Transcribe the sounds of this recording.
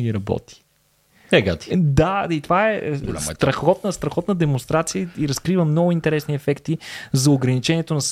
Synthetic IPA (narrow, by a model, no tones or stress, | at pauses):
ɡiɾɐbɔ̰t̪i̥ | ɛɡa̰t̪i̥d̪ait̪ovaɛɡla̰st̪ɾɐxɔt̪̚nəst̪ɾɐxɔt̪nəd̪ɛmonst̪ɾat̪sijəiɾɐskɾivəmnɔɡʊint̪ɛɾɛsniɛfɛkt̪izɐoɡɾɐnit͡ʃɛniɛt̪onɐs